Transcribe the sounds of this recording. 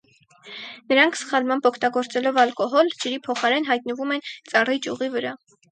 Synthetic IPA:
nəɾɑŋkʰsχɑlmɑmbɔkʰt̪ɑɡɔɾt͡sɛlɔvɑlkɔɦɔld͡ʒəɾipʰɔχɑɾɛnɦɑjt̪nəvumɛnt͡sɑrit͡ʃjuʁivəɾɑ

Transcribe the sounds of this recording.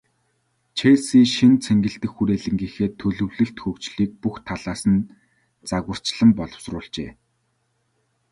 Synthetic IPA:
t͡ɕʰeːsiːʃint͡sʰeŋɡɘ̆ɬt̪ɘ̆xːuɾeːɮɘ̆ŋɡiːxeːt̪ʰːɵɮɵ̆wɮɘ̆ɬt̪xɵkt͡ɕɮiːk̚puxt̪ʰaɮaːsə̆n | t͡saɣə̆r̥t͡ɕɮə̆mpɔɮɞ̆wsrʊːɮt͡ɕḛː

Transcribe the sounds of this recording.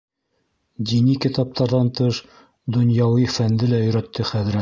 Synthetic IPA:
d̪inikit̪ɑp̚t̪ʰɑɾðɑnt̪ɤʃ | d̪ŏnjɑwifænd̪ɘlæɵ̆jɾæt̪ːɘχæðɾæt̪

